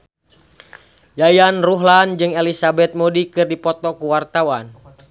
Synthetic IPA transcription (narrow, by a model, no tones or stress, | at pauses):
jajanruɦland͡ʒɨŋelisabɛt̪̚mɔdikɨrdipɔt̪ɔkuwart̪awan